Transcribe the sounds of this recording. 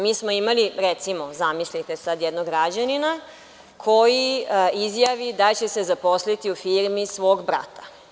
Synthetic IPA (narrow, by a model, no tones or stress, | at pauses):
miːsmoimaliɾet̪simo̞zamislit̪e̞sad̪jed̪noɡɾad͡ʑanina | kʰo̞jiizjaʋid̪at͡ɕe̞se̞zapo̞slit̪iufiːɾmisʋo̞ːɡbɾa̰t̪ḁ